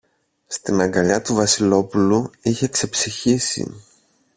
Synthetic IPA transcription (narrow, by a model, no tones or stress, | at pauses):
st̪imɐŋɡɐʎɐt̪uvɐsilo̞puluiçe̞kse̞psiçisḭ